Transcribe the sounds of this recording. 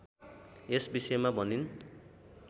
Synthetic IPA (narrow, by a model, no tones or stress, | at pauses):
esbisʌemabʱʌnin